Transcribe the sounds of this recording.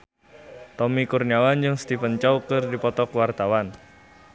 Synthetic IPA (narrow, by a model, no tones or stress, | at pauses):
t̪ɔmikurniawand͡ʒɨŋst̪ifənt͡ʃɔwkɨrdipɔt̪ɔkwart̪awan